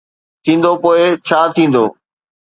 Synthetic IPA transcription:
t̪ʰĩːnd̪opoːɪt͡ɕʰaːt̪ʰĩːn̆d̪oː

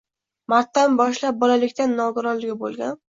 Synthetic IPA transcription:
maɾt̪ːanbɒʃlap̚bɒlalɪkʲt̪anːɒɡʊɾɒnlɪɡʲɪbo̰lˠɡʲan

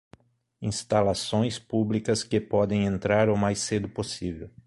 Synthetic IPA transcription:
ĩst̪alasõj̃spublikɐskɪpɔd̪ẽj̃ẽnt̪ɾaɾʊmajsed̪ʊposivew

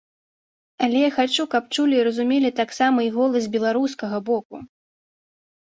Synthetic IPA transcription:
ɐlʲɛjaxat͡ʂukɐpt͡ʂulʲiːɾɐzumʲelʲit̪aksamɐiɣɔlˠɐzʲbʲɛlˠaɾuskɐɣɐbɔku

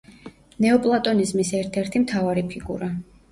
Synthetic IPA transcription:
nɛɔpʼlˠat̪ʼɔnizmisɛɾt̪ʰɛɾt̪ʰimt̪ʰavaɾipʰiɡuɾa

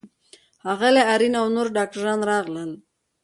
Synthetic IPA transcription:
haɣaleaɾinawnoɾɖɑk̚ʈaɾɑnɾɑɣləl

